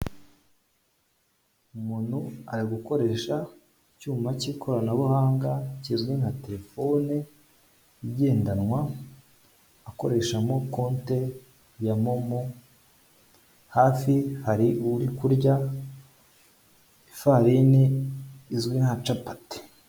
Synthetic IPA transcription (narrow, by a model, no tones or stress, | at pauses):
umun̥huaɾiɡuko̞ɾe̞ːʃa | cuːmaciːkʰo̞ɾanaβuhaːŋɡacizɡwinhate̞ɾefo̞ne | iɟe̞ːndanŋwa | ko̞ɾe̞ʃamo̞ko̞ːnte̞ | jamomo | haːfihaɾiuɾikuɾɟa | ifaɾiniː | zɡwinhat͡ʃapate̥